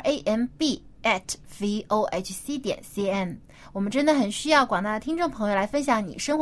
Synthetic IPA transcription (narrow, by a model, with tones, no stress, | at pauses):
e˥ɪʔɛ˥npi˥˩ɛ˥˩tʰvi˥o˥ʊʔḛ˥ɪt͡ʃsi˥t̪jɛ̰˨˩˦nsi˥ɛ˥˩n | wɔ˨˩mə˦nʈ͡ʂə˥nd̪ə˨˩xə˨˩nɕy˥jɑ˥˩ʊkwɑ˨˩ŋt̪a˥d̪ə˩t̪ʰi˥ŋʈ͡ʂʊ˥˩ŋpʰə˧˥ŋjo˧ʊla˧˥ɪfə˥nɕ̬jɑ˧˥ŋnḭ˨˩ʂɤ˥ŋx